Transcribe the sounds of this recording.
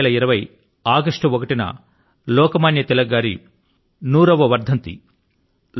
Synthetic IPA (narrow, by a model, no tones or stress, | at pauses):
lɐiɾɐʋɐj | aːɡɐʂʈɐɔkɐʈinɐ̰ | lɔːkɐmaːnjɐt̪ɛlɐɡːaːɾḭ | nuːɾɐʋɐʋɐɾd̪ʱɐnt̪ḭ